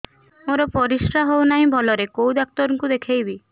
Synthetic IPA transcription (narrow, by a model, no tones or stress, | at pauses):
moɾɔpɔɾisɾaɦownaɦĩbʱɔlɔɾekowd̪ak̚t̪ɔɾɔŋkud̪ekʰejbi